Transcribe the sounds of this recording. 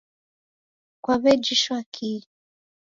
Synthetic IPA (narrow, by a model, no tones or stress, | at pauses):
kwaβɛd͡ʒiʃwakʰi